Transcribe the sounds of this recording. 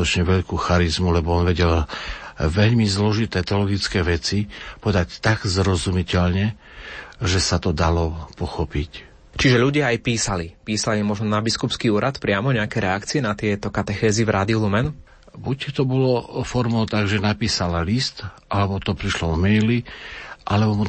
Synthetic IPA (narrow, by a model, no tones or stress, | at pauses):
t̪ɔt͡ʃɲɛʋɛʎkuːxaɾizmulɛbɔɔnʋɛɟɛl | ʋɛʎmizlɔʒit̪ɛːt̪ɛɔlɔɡit͡skɛːʋɛt͡sipɔɛd̪act̪aɡzɾɔzumicɛʎɲɛ | ʒɛsat̪ɔd̪alɔpɔxɔpic | t͡ʃiʒɛʎuɟɪaajpiːsalipiːsalimɔʒnɔnabiskupskiuːɾat̪pɾɪamɔɲɛakɛɾɛakt͡siɛnat̪ɪɛt̪ɔkat̪ɛxɛːzivɾaːd̪iulumɛn | buct̪ɔbɔlɔfɔɾmɔʊt̪aɡʒɛnapiːsalalist̪ʔalɛbɔt̪ɔpɾiʃlɔmɛjliʔalɛbɔmu